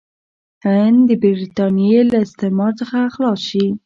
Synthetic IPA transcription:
and̪əbiɾit̪ɑnijelaɪst̪emɑɾt͡səxaxlɑʃi

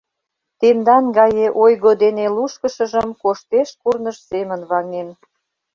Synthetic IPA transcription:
t̪emd̪ɑnɡɑjeʔojɣod̪eneluʃkə̆ʃə̆ʒə̆mkoʃt̪eʃkurnəʃsemənβɑknen

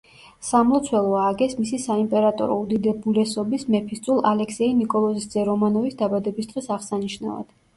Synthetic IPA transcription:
samlˠɔt̪sʰwɛlˠɔaɡɛsmisisaimpʼɛɾat̪ʼɔ̰ɾɔ̰ud̪id̪ɛbulɛsɔbismɛpʰist̪sʼulˠalɛksɛinikʼɔlˠɔzisd̪zɛɾɔmanɔvisd̪abad̪ɛbist̪ʁɛsaʁsaniʃna̰va̰d̪̥

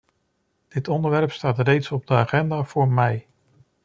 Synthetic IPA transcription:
d̥ɪtɔndəɹʋɛɹpstaːtrejtsɔb̚dəaːχɛndaːv̥ʊːɹmɛj

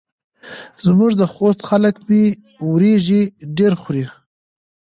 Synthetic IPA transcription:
zmuʐd̪əxost̪xaləkmi | wɾeʒiɖeɾxɾi

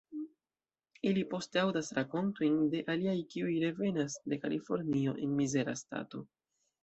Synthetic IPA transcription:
ilipo̞steawdasɾako̞nto̞jnde̞ʔaliajkiujɾe̞ve̞nasde̞ka̰lʔifo̞ɾnio̞ʔe̞nmize̞ɾa̰sta̰to̞

